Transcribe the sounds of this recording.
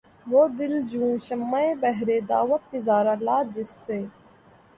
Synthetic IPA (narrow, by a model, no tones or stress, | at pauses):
ʋoːd̪ɪld͡ʒũːʃəmːaːeːbɐɦɾeːd̪a̰ːʋət̪̚ːɪzaːɾaːlaːd͡ʒɪsːeː